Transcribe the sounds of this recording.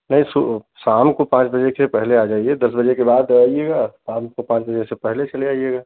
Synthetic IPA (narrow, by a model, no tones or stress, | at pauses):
nɐɦĩsu | saːmkopãːt͡ʃbəd͡ʒesepɛɦlead͡ʒaːied̪ɐsbɐd͡ʒekebaːd̪aijeɡaːsãːmkopãːt͡ʃbəd͡ʒesepɛɦlet͡ʃɐlaːijeɡaː